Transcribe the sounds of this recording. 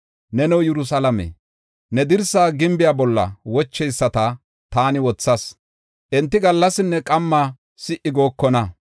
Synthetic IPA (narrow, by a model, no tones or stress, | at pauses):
nɛnɛwjɛɾʊs̬alɐmḛ | nɛd̪ɪɾsaːɡɪmbɪjaːbɔlːɐ̰wɔt͡ʃːɛjsːɐt̪ɐ | t̪aːnɪwɔt͡sːɐs | ʔɛnt̪ːɪɡɐlːɐsɪnːɛkʼɐmːa | sɪʔɪɡo̞ːkːɔnɐ